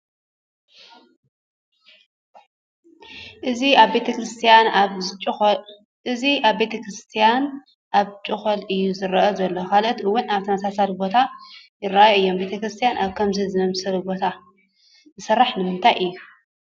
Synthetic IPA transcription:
ʔɨziaβbet̪ʰɐkɾɨst̪ʰijanʼ | ɨziʔaβbe̞t̪ʰɐkɾɨst̪ʰijan | ʔaβt͡ʃʼɨxolʔɨjːuzɨɾɐʔɐzɐlːokalɐt̪ɨwːʊnaβt̪ʰɐnɐsasalibo̞t̪ʰajɪɾːajɐɨjːo̞mbe̞t̪ʰɐkɾɨst̪ʰijanʔaβkʰɐmzizɨnɐmsɐlubo̞t̪ʰa | zɨsɐrːaħnɨmɨnt̪ʰajʔɨjːu

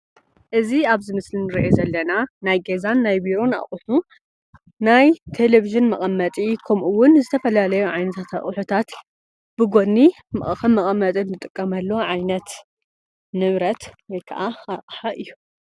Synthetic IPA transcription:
ʔɨziaβzɨmɨslinɨɾiʔezɐlːɐnanajɡezanːajbiɾo̞na̰χʼʊħu | najt̪ʰe̞leviʒɨnmɐχʼɐmːɐt̪ʼikʰɐmʔuwʊnzɨt̪ʰɐfɐlalɐjuʕajnɐt̪ʰat̪ʰa̰χʼʊħut̪ʰat̪ | b̥ɨɡo̞nːi | mɐʔʼɐxɐmːɐχʼɐmːɐt̪ʼinːɨt̪ʼɨkʼːɐmɐlːo̞ʕajnɐt̪ | nɨβɾɐt̪wɔjkʰɐ̰ʔaaqʼħaʔɨjːu

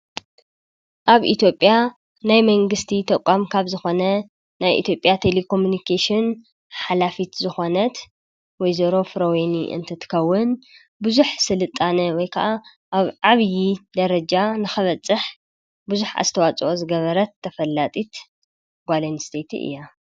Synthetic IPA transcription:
ʔaβḭt̪ʰjo̞pʼːja | najmɐŋɡɨst̪ʰit̪ʰɐkʷʼamkʰaβzɨxo̞nɐ | najʔḭt̪ʰjo̞pʼjat̪ʰe̞lekʰo̞munikʰeʃɪn | ħalafit̪zɨxo̞nɐt̪ | wɔjzoɾo̞fɨɾoweniʔɨ̰nt̪ʰɐt̪ʰɨ̥kʰɐwːʊn | bɨzuħsɨlɨt̪ʼːanɐwɔjkʰɐʔa | ʔaβʕaβjid̪ɐɾɐd͡ʒanɨxɐβɐt͡sʼːɨħ | bɨzuħa̰zt̪ʰɐwat͡sʼʔozɨɡɐβɐɾɐt̪ʰːɐfɐlːat̪ʼit̪ | ɡʷalɐnst̪ʰet̪ʰḭʔɨ̰jːa

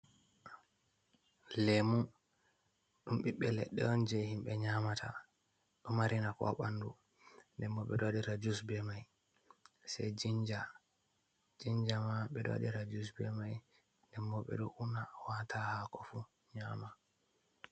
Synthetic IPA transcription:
lemu | ɗumɓiɓːɛlɛɗːɛɔnd͡ʒɛhimɓɛɲaːmatʰa̰ | ɗɔmaɾinakɔ̰ɓandu | ndɛmːɔɓɛɗodiɾad͡ʒusbɛmaj | sɛjd͡ʒiɲd͡ʒa | d͡ʒiɲd͡ʒamaɓɛdo̰diɾad͡ʒus̬bɛmaj | ndɛmːɔɓɛ̰ɗɔʔunawatʰahakɔfu | ɲaːma

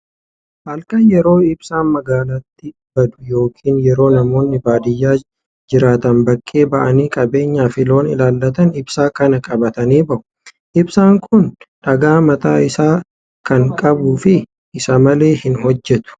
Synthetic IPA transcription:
haːlkʼɐnjɛɾo̞ːɪbsaːnmɐɡaːlɐt̪ːɪ | bɐd̪ʊ̥jo̞ːkʰiːnjɛɾo̞ːnɐmo̞ːnːɪbaːd̪ɪjːaː | d͡ʒɪɾaːt̪ɐnbɐkʼːe̞ːbɐʔɐniːkʼɐbe̞ːɲːaːfɪlo̞ːnɪlaːlːɐt̪ɐnɪbsaːkɐnɐkʼɐbɐt̪ɐniːbɐʔʊ̥ | ʔɪbsaːŋkʰʊnᶑɐɡaːmɐt̪aːɪsaː | kɐŋkʼɐbuːfɪ | ʔɪsɐmɐle̞ːhɪnɦɔd͡ʒːɛt̪ʊ̥

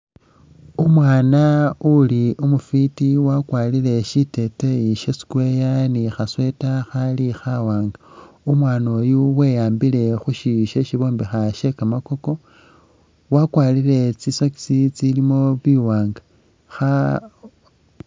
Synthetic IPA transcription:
omwaːnauliʔumufitiwakwaːlile̞ʃite̞teiʃesi̥kwe̞janixaswe̞taxalixawaːŋɡa | umwaːno̞ːjuwejaːmbile̞xuʃiʃeʃiβo̞ːmbixaʃe̞kamako̞ko̞ | wakwaːlile̞t͡sisoki̥sit͡silimo̞βiwaːŋɡa | xa

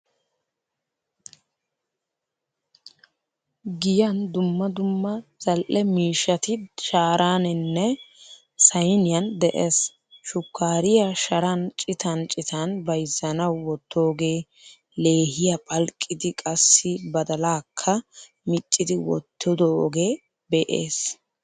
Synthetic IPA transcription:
ɡɪjɐnd̪ʊmːɐd̪ʊmːɐzɐlʔɛmiːʃɐt̪ɪʃaːɾaːnɪnːɛ | sɐjnɪjɐnd̪ɛʔes | ʃʊkʰːaːɾɪjɐʃɐɾɐnt͡ʃʼɪt̪ɐnt͡ʃʼɪt̪ɐnbɐjzːɐnɐwːɔt̪ːo̞ːɡe̞ː | le̞ːɦɪjapʼɐlkʼːɪd̪ɪkʼɐsːɪbɐd̪ɐlaːkʰːɐ | mɪt͡ʃʼːɪd̪ɪwɔ̰t̪ʰːɔd̪ɔ̰ːɡe̞ː | bɛʔḛːs

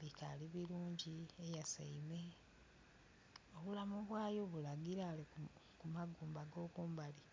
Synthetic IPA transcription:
likaliβiɾuːɲɟiejasa̰ime | o̞βulamuβwaːjo̞βulaɡiɾali | kumaɡuːmbaɡo̞ːkuːmbali

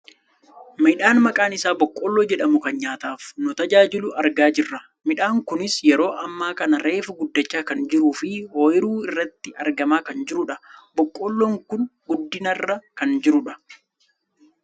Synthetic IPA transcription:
mɪᶑaːnmɐkʼaːnɪsaːbɔkʼːɔːlːoːd͡ʒɛᶑɐmʊkɐnɲaːt̪aːfnʊt̪ɐd͡ʒaːd͡ʒɪlʊɐɾɡaːd͡ʒɪrːɐ | mɪᶑaːŋkʊnɪsjɛɾo̞ːʔɐmːaːkɐnɐɾe̞ːfʊɡʊd̪ːɐt͡ʃːaːkɐnd͡ʒɪɾuːfɪhoːjɪɾuːɪrːɐt̪ːɪʔɐ̰ɾɡɐmaːkɐnd͡ʒɪɾʊᶑɐbɔkʼːɔːlːɔŋkʊnɡʊd̪ːɪnɐrːɐkɐnd͡ʒɪɾʊᶑɐ̥

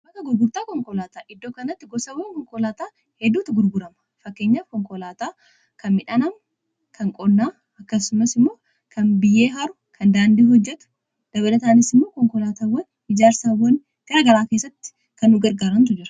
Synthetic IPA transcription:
bɐk̪ɐɡʊɾɡʊɾt̪aːkɔŋkɔlaːt̪aːʔɪd̪ːoːkɐnɐt̪ːɪɡɔsɐwːɐŋkɔŋkɔlaːt̪aː | hɛd̪ːuːt̪ːɪɡʊɾɡʊɾɐmɐ | fɐkːe̞ːɲːaːfkɔŋkɔlaːt̪aː | kɐnmɪᶑɐnɐm | kʰɐŋkʼɔnːaː | ɐkːɐsʊmɐsɪmːo̞ː | kʰɐnbɪjːeːɦɐɾʊkʰɐnd̪aːnd̪iːhɔd͡ʒːɛt̪ʊ̥ | d̪̥ɐβɐlɐt̪aːnɪsɪmːo̞ːkɔŋkɔlaːt̪aːwɐn | ɪd͡ʒaːɾsaːwɐn | ɡ̥ɐɾɐɡɐɾaːkeːsːɐt̪ːɪ̥ | kɐnːʊɡɐɾɡaːɾɐnt̪ʊd͡ʒɪɾɐ̥

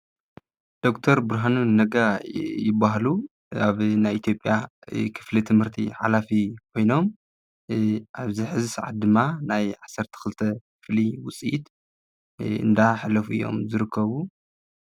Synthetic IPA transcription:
d̪̥o̞kt̪ʰɐɾbɨɾɦanunɐɡajɪbːaɦlu | aβnajit̪ʰjo̞pʼjakʰɨ̥flit̪ʰɨmhɨɾt̪ʰḭħalafikʰo̞jno̞m | ʔaβzɨħɨzɨsaʕa̰t̪̚d̪ɨmːanajʕasːɐɾt̪ʰɐ̥xɨlt̪ʰɐkɨfliwʊt͡sʼiʔit̪ | ɨ̰nd̪aħɨlːɐfuʔɨ̰jːo̞̰mzɨɾɨkʰːɐβu

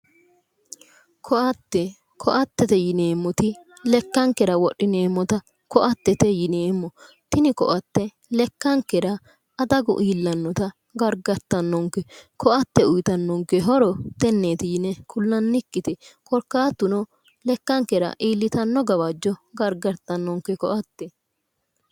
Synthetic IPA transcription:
kʰɔʔɐt̪ːɛ | kʰɔʔɐt̪ːɛt̪ɛjɪneːmːɔt̪ɪ | lɛkːɐŋkːɛɾɐwɔɗɪneːmːɔt̪ɐ | kɔʔɐt̪ːɛt̪ɛjɪneːmːɔ | t̪ɪnɪkɔ̰ʔɐt̪ːɛ | lɛkːɐŋkːɛɾɐ | ɐd̪ɐɡʊ̰ʔiːlːɐnːɔt̪ɐ | ɡɐɾɡɐɾt̪ːɐnːɔŋkːɛkʰɔʔɐt̪ːɛʊjt̪ɐnːɔŋkɛɦɔɾɔt̪ɛnːeːt̪ɪjɪnɛkʊlːɐnːɪkːɪt̪ɛkɔɾkːaːt̪ːʊnɔ | lɛkːɐŋkːɛɾɐ̰ʔiːlːɪt̪ɐnːɔɡɐβɐd͡ʒːɔɡɐɾɡɐɾt̪ːɐnːɔŋkːɛkɔʔɐt̪ːɛ

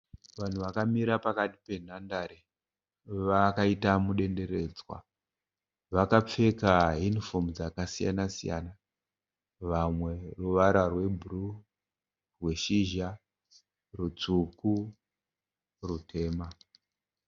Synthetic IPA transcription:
ʋan̤uʋakamiɾapakati̥pe̞n̤andaɾe | ʋakaitamuɗe̞nde̞ɾe̞ːd͡zwa̰ | ʋakap͡fe̞kaɦinifo̞md͡zakasija̰nasija̰na | ʋamwe̞ruʋaɾarwe̞bʱuru | rwe̞ʃiʒa | rut͡suku | rutʰe̞ːma

